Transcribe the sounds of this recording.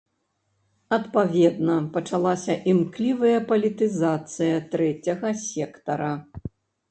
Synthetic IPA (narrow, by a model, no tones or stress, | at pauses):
ɐt̪pavʲɛd̪nɐpɐt͡ʂalˠasʲɐʔimklʲivɐjɐpɐlʲit̪ɨzat̪sɨjɐt̪ɾɛt͡sʲɐɣɐsʲɛkt̪ɐɾɐ